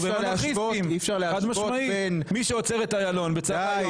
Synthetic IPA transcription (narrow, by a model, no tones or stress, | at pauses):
veaeaioimifʃaʁleaad̪maʃomainmiʃeot͡seʁet̪ajalo̞nbet͡saj